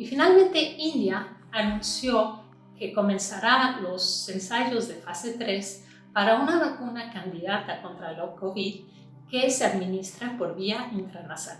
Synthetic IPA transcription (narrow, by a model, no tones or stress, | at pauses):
ifinalmẽ̞nt̪e̞ind̪jaːnũnsjo̞ | ke̞ko̞mẽ̞nsaɾalo̞se̞nsaʝo̞zðe̞fase̞t̪ɾe̞s | paɾaunaβakunakand̪iðat̪ako̞nt̪ɾalokoβið | keseaðmĩnist̪ɾapo̞ɾβiaint̪ɾanasa